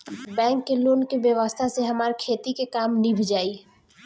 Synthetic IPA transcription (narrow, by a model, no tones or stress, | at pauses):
bɛ̃ːŋkːeloːnkiʋjəʋəst̪ʰaseɦɐmaːɾkʰeːt̪ikekaːmnibʱɪd͡ʒaːiː